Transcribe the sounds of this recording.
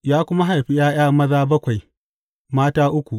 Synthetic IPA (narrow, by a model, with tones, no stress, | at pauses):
jaː˦kʷʊ˦ma˦ɦa˨jɸi˦jaː˦j̰aː˦mɐ˦zaː˦bɐ˦kʷa˨j | maː˦taː˦ʔʊ˦kʷu˨ʔ